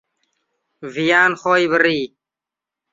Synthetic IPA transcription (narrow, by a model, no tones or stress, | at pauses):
vijaːnxoːjbəɾiː